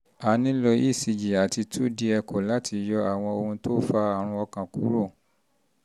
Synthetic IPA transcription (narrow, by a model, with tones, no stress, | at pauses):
a˨˦nĩ˦lɔ˧i˦˨si˧d͡ʒi˨a˨ti˧tʰu˦di˧ɛ˧kɔ˨la˨˦tʰi˧jɔ˧a˨w̃ɔ̃˧o˧hũ˧to˦fa˧˦a˦˨ɾ̃ũ˧ɔ˧kã˨ku˨˦ɾo˦˨